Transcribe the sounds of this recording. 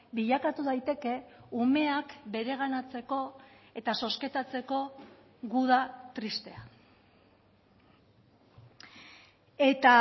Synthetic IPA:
biʎakat̪uðajt̪e̞ke̞ume̞akbe̞ɾe̞ɣ̞anat͡se̞ko̞e̞t̪aso̞ske̞t̪at͡se̞ko̞ | ɣuð̞at̪ɾist̪e̞a | e̞t̪a

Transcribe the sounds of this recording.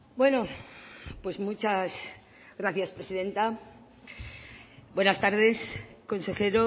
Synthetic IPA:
bwe̞no | pwe̞zmut͡ʃas | ɣɾaθjaspɾe̞siðe̞nt̪a | bwe̞nast̪aɾðe̞sko̞nse̞xe̞ɾo

